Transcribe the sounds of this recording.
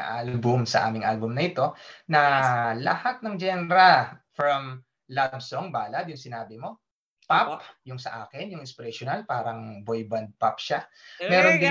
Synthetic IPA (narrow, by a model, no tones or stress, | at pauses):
ʔalbʊmsɐʔa̰ːmɪŋʔalbʊmnɐʔɪt̪o̞nɐlɐ̰hat̪̚nɐŋd͡ʒɛnɛɾɐfɾɐm | labsoŋbaːlɐd̪jʊŋsɪnaːbɪmo̞ | papjʊŋsɐʔaːkɪnjʊŋɪspɛɾɛʃonalpaːɾɐŋbojbɐnd̪̚pap̚ʃa | mɛːɾond̪ɪ